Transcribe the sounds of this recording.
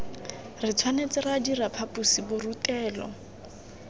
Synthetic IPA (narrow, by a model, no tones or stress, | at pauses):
rɪt͡sʰwanet͡sɪradirapʰapusibʊrutɛːlɔ̰